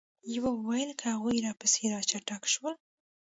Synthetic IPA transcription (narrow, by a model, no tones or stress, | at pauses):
jawawajəlkʰəhaɣujɾɑpəseɾɑt͡ʃaʈakʃwəl